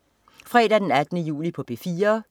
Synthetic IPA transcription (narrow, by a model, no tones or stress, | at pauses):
fʁɛ̰ːɾ̥æd̥enæd̥nəjṵːlipʰɒ̽b̥e̝fiːɐ